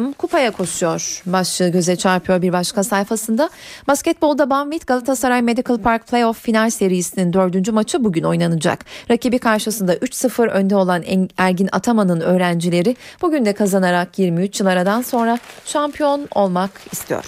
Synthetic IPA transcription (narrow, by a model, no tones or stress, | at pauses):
mkʰupʰajakʰo̞ʃujo̞ɾ̥baʃt͡ʃɯɟø̞zɛt͡ʃʰaɾpʰijoɾbiɾbaʃkasajfasɯnd̪abascɛt̪̚bo̞lˠd̪abanvit̪ɡ̥alˠat̪ʰasaɾajme̞d̪ikɯlˠpʰaɾk̚pʰlʲˠejofːinalʲse̞ɾijisinind̪ø̞ɾd̪ynd͡ʒymat͡ʃʰɯbuɟyno̞jnanɯd͡ʒa̰kɾacibikʰaɾʃɯsɯnd̪aʔyt͡ʃsɯfɯɾø̞nd̪ɛo̞lˠanɛæɾɟina̰t̪ʰamanɯnø̞ːɾænd͡ʒilʲe̞ɾɪb̥uɟynd̪ɛkʰazanaɾakjiɾmiyt͡ʃjɯlˠaɾad̪anso̞nɾaʃampʰjo̞no̞lˠmakist̪ʰijo̰ɾ̥